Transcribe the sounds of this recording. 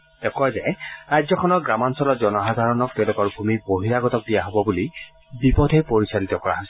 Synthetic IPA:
tɛkɔjzɛɹajzɔkʰɔnɔɡɹamansɔlɔtzɔnɔxad̪ʱaɹɔnɔk̚tɛʊ̃lʊkɔɹbʱumiboɦiɹaɡɔtɔk̚dijaɦobɔbuli | bipɔdʱɛpoɹisalitɔkɔɹa̰ɦɔs

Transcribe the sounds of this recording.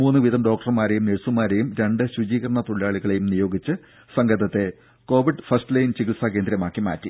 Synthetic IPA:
muːnːɨʋiðɐmɖo̞ːk̚ʈɐrmaːɾejumniɻsumaːɾejumɾe̞ɳɖɨɕud͡ʑiːkɐɾɐɳɐt̪uɭijaːɭiɣɐɭe̞jumnijo̞ːɡit͡ɕːɨ | sɐŋɡɐðɐt̪ːe̞ | ko̞ːʋiɖfɐrstɨlɐjnt͡ɕiɡiʈsak̬e̞ːnd̪ɾɐmaːkːima̰ːtːi

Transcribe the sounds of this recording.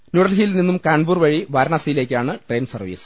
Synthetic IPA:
nuɽɐlɦijilninːumkaːɳbuːrʋɐɻiʋɐɾɐɳɐsɐjile̞ːkʲːaːɳɨʈre̞ːnsɐrʋḭːsɨ̥

